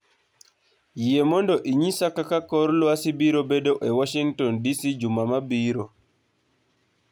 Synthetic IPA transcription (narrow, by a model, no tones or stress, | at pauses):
jɛmɔndɔʔiɲisakːakakɔɾlɔasibiɾɔbɛdɔwʔɛwaʃiŋtɔndisid͡ʒumːamabiːɾɔ